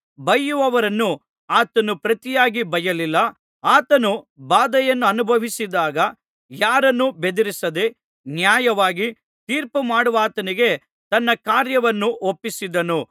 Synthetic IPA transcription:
bɐjːuʋɐʋɐɾɐnːu | aːt̪ɐnupɾɐt̪ijaːɡibɐjɐlilːɐ | aːt̪ɐnubaːd̪ɐjɐnːuɐnubʱɐʋisid̪aːɡɐ | jaːɾɐnːube̞d̪iɾisɐd̪e̞ | njaːjɐʋaːɡi | t̪iːɾpumaːɽuʋaːt̪ɐniɡe̞ | t̪ɐnːɐkaːɾjɐʋɐnːuopːisid̪ɐnu

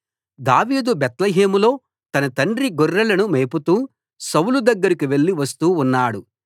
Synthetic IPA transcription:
d̪aːʋiːd̪ubɛt̪lɐɦeːmulo̞ː | t̪ɐnɐt̪ɐɳɖɾiɡɔrːɐlɐnumeːput̪uː | sɐwulud̪ɐɡːɐɾikiʋe̞ɭːiʋɐst̪uːnːaːɽu

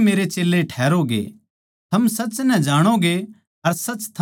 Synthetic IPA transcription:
meːɾet͡ʃeːlːeʈʰɛːɾoɡḛ | t̪ʰɐmsɐt͡ʃnɛd͡ʒaːɽ̃oɡe | ɐɾsɐt͡ʃt̪ʰ

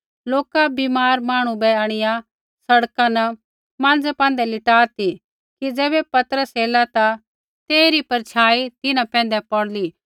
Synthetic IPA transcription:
loːkabiːmaːɾmaːɽ̃ũbɛaːɽ̃ɪja | sɐɽkãnɐ | mãːnd͡zɛpãːn̆d̪ɛlɪʈaːt̪i | kid͡zɛːβɛpɐt̪əɾəseːlat̪a | t̪eːɾipɐɾt͡ʃʰaːit̪ɪnãpɛ̃ːn̆d̪ɛpɔɽliː

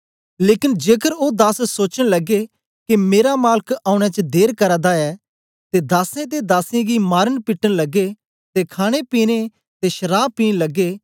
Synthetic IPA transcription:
leːkɪnd͡ʒeːkəɾod̪aːsːoːt͡ʃəɽ̃lɐɡe | kimeːɾamaːlkaːʊɽ̃ɛt͡ʃəd̪eːɾkɐɾad̪aɛː | t̪ed̪aːsẽt̪̬ed̪aːsẽɡimaːɾənpɪʈːənlɐɡːe | t̪ekʰaːɽ̃epiːñe | t̪eʃəɾaːb̚piːnlɐɡːeː

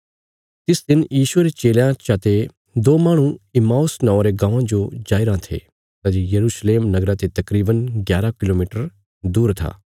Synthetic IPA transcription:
t̪ɪsd̪ɪnjiːʃueɾet͡ʃeːljãt͡ʃaːt̪e | d̪oːmaːɽ̃ũɪmaːʊsnɔ̃õɾeɡãːãd͡ʒod͡ʒaːiɾãt̪ʰḛ | t̪aːd͡ʒojɐɾuːsleːmnɐɡɾãt̪et̪ɐkɾiːbənɡjaːɾakɪloːmiːʈəɾ | d̪uːɾt̪ʰa̰ː

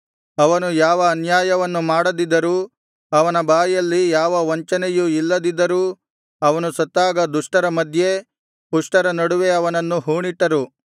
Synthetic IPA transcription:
ɐʋɐnujaːʋɐːnjaːjɐʋɐnːumaːɽɐd̪id̪ːɐɾuː | ɐʋɐnɐbaːjjɐlːijaːʋɐʋɐɲt͡ʃɐnejuilːɐd̪id̪ːɐɾuː | ɐʋɐnusɐt̪ːaːɡɐd̪uʂʈɐɾɐmɐd̪ʱje̞ | puʂʈɐɾɐnɐɽuʋe̞ɐʋɐnɐnːuɦuːɳiʈːɐɾu

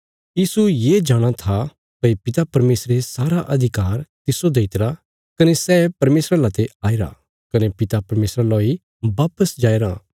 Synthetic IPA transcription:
jiːsujed͡ʒaːɽ̃at̪ʰa | pɐipɪt̪apɐɾmeːsɾesaːɾaʔɐd̪ʱɪkaːɾt̪ɪsod̪eːɪt̪ɾa | kɐnesɛːpɐɾmeːsɾalat̪eaːeɾa̰ | kɐnepɪt̪apɐɾmeːsɾaloi | baːpəsd͡ʒaːeɾã

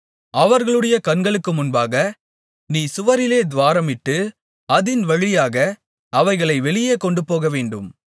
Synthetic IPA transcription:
ɐʋɐɾɣɐɭɯɽɐjɐkɐnɡɐɭɯkːɯmʊnbaːɣɐ | niːsʊʋɐɾɪleːd̪ʋaːɾɐmɪʈːɯ | ɐðɪnʋɐɻɪjaːɣɐ | ɐʋɐɪɣɐɭɐɪʋɛɭɪjeːkɔɳɖɯpoːɣɐʋeːɳɖɯm

